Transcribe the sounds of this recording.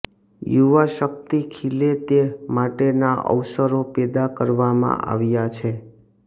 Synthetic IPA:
juʋaʃək̚t̪ikʰilet̪emaʈenaə̰ʋsəɾopɛd̪akəɾʋamã̰ʔa̰ʋjat͡ʃʰe

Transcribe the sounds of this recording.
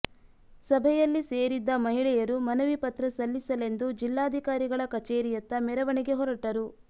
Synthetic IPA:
sɐbʱɛjɐlːiseːɾid̪ːɐmɐɦiɭɛjɐɾumɐnɐʋipɐt̪ɾɐsɐlːisɐle̞nd̪ud͡ʒilːaːd̪ʱikaːɾiɡɐɭɐkɐt͡ʃeːɾijɐt̪ːɐmɛɾɐʋɐɳiɡe̞ɦɔɾɐʈɐɾu

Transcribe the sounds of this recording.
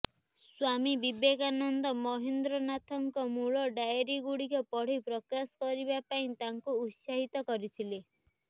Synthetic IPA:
swamibibekanɔnd̪ɔmɔɦind̪ɾɔnat̪ʰɔŋkɔmuɭɔɖajɔɾiɡuɽikɔpɔɽ̤ipɾɔkasɔ̥kɔɾibapaĩt̪aŋkuːt̪saɦit̪ɔkɔɾit̪ʰile

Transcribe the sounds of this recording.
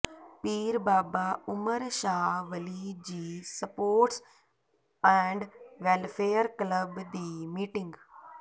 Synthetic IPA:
piːɾbaːbaʊməɾʃaːʋɐlid͡ʑiːsɐpoːɾʈs | ɛ̃ːɳɖʋeːlfeːəɾkləbd̪iːmiːʈɪ̃ŋɡ

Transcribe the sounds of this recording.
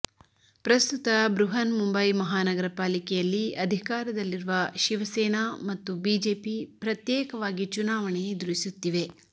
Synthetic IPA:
pɾɐst̪ut̪ɐbɾuɦɐnmumbɐjmɐɦaːnɐɡɐɾɐpaːlikɛjɐlːiɐd̪ʱikaːɾɐd̪ɐlːiɾuʋɐʃiʋɐsɛːnamɐt̪ːubiːd͡ʒeːpipɾɐt̪jɛːkɐʋaːɡit͡ʃunaːʋɐɳed̪uɾisut̪ːiʋe̞

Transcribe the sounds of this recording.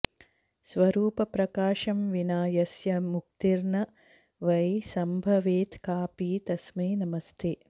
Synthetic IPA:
sʋɐɾuːpɐpɾɐkaːʃɐmʋinaːjɐsjɐmuk̚t̪iɾnɐ | ʋɐjsɐmbʱɐʋeːt̪kaːpiːt̪ɐsmiːnɐmɐst̪ʰe

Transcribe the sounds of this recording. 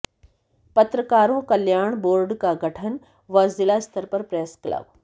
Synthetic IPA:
pɐt̪ɾəkaːɾõkɐljaːɳ̃boːɾɖkaɡʱɐʈʰən | ʋɐzɪlaːst̪ʰəɾpɐɾpɾeːsklə̰b

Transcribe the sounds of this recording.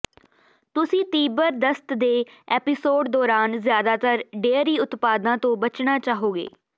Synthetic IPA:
t̪ʊsĩːt̪iːbəɾd̪əst̪d̪eːɛːpɪsoːɖd̪ɔːɾaːnzjaːd̪aːt̪əɾɖeːəɾiːʊt̪paːd̪ãːt̪õːbət͡ʃnaːt͡ʃaːɦoːɡḛː

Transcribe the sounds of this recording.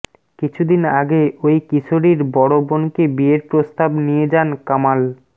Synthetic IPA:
kit͡ɕʰud̪inaɡeojkisoɾiɾbɔɽobonkebieɾpɾost̪abnijed͡ʑankamal

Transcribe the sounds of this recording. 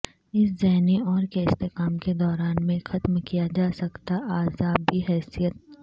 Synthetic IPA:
ɪszɛɦniɔːɾkeɪst̪ekaːmked̪ɔːɾaːnmẽxɐt̪mkijad͡ʒaːsɐkt̪aʔaːzaːbiɦɛːsijət̪̚

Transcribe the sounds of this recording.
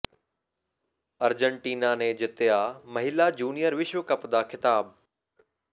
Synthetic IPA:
ɐɾd͡ʑəɳʈiːnanẽd͡ʑɪt̪jamɐɦɪlad͡ʑuːnijəɾʋɪʃʋəkɐpd̪aːkɪt̪aːb

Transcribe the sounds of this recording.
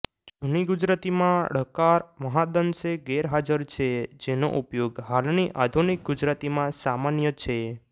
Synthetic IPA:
d͡ʒuniɡud͡ʒɾat̪imãɽ̤əkaɾməɦad̪ənseɡeɾɦad͡ʒəɾt͡ʃʰed͡ʒeno̰ʔupjoɡɦalniʔad̪ʱunik̚ɡud͡ʒɾat̪imãsamanjət͡ʃʰe

